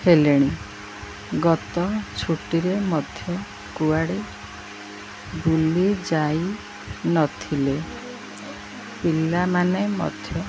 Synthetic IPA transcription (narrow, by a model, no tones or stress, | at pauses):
heleɽ̃i | ɡɔt̪ɔt͡ʃʰuʈiɾemɔd̪ʱjɔ | kuaɽi | bulid͡ʒaj | nɔt̪ʰile | pilːamanemɔ̰d̪ʱjɔ